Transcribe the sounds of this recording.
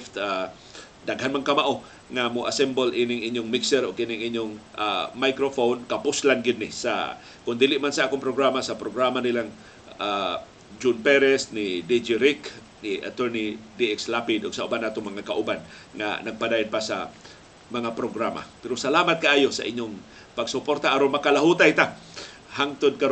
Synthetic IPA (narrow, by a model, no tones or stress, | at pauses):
ft̪a | d̪aɡhanmaŋkamaʔo | ŋamoʔasɛmbolʔinɪŋʔiɲjʊŋmɪksɛɾʊɡ̚inɪŋʔiɲʊŋʔamajkɾofonkapʊslanɡɪd̪̚nɪsa̰ | kʊnd̪ilɪʔmansaʔaːkʊŋpɾoɡɾamasapɾoɡɾamanɪlaŋ | a | d͡ʒʊnpɛɾɛsnɪd̪id͡ʒiɾɪk | nɪʔa̰t̪ɛɹnid̪iʔɛkslapɪd̪ʊɡsaʔʊbanaːt̪ʊŋmɐŋakaʔʊban | ŋa̰naɡ̚pad̪aːjod̪̚pasa̰ | mɐŋapɾoɡɾama̰pɛɾosalaːmat̪̚kaʔaːjosa̰ʔɪɲjoŋ | paɡsʊpoɾt̪aʔaɾonmakalaɦut̪ajt̪a | haŋt̪ʊd̪̚kaɾ